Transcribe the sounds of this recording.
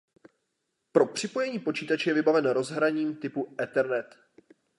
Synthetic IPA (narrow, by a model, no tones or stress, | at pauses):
pɾo̞pr̝̥ɪpo̞jɛɲiːpo̞t͡ʃiːt̪at͡ʃɛjɛvɪbavɛnɾo̞zɦɾaɲiːmt̪ɪpuʔɛt̪ɛɾnɛt̪